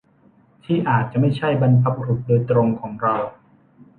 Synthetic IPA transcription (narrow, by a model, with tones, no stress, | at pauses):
t̪ʰiː˥˩ʔaː˨˩t̪̚t͡ɕa˨˩ʔma˥˩jt͡ɕʰa˥˩jba˧npʰa˦˥p̚ɾu˨˩t̪̚doː˧jt̪ɾo˧ŋkʰɔː˩˦ŋɾa˧w